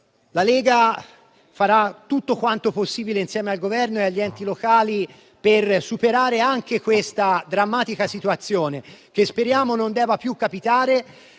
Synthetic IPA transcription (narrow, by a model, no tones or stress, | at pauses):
lalɛːɡa | faɾat̪ːut̪ːokwant̪oposːiːbileinsjɛːmealɡovɛrnoeaʎːiɛnt̪ilokaːli | persupeɾaːɾeaŋkekwest̪ad̪ɾamːaːt̪ikasit̪uat̪sːjoːnek̟espeɾjaːmonond̪ɛːvapjukːapit̪aːɾe